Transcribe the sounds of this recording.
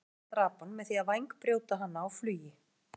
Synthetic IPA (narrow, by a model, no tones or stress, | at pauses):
t̪ɾaːpanmɛðθiaðvajŋkpɾjoːwt̪aɦanːaːwflyːjɪ